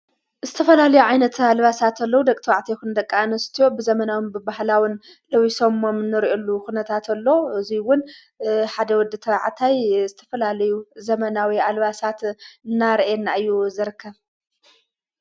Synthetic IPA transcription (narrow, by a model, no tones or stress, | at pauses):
zɨt̪ʰɐfɐlalɐjuʕajnɐt̪ʰalβasat̪ʰɐlːɐwud̪ɐkʼt̪ʰɐwaʕt̪ʰekund̪ɐkʼːanɐst̪ʰijo̞bɨzɐmɐnawɨnbɨbahlawɨn | lɐwiso̞momɨnːɨɾiʔolːukunɐt̪ʰat̪ʰɐlːo̞ɨziwʊn | ħad̪ɐwɔd̪ɨt̪ʰɐβaʕt̪ʰajzɨt̪ʰɐ̥fɐlalɐjuzɐmɐnawialβasat̪ɨnːaɾʔenːaɨjːuzɨɾɨkʰːɐβ